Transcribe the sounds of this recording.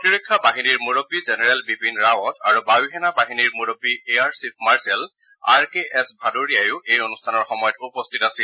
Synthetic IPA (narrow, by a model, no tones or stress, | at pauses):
pɔtiɹekʰːabaɦiniɹmuɹobːizenɛɹɛlbipinɹawɔtʰaɹubawiɦɛnabaɦiniɹmuɹobːieaɹsip̚ʰmaɹsɛl | a̰ɹkeʔɛsbʱadoɹiajʊʔejonustʰanɔɹxɔmɔjɔtupɔstʰitasil